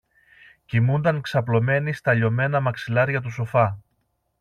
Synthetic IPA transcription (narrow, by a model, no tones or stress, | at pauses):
cimund̪ɐŋksɐplo̞me̞nist̪ɐʎo̞me̞nɐmɐksilɐɾʝɐt̪̬us̬o̞fɐ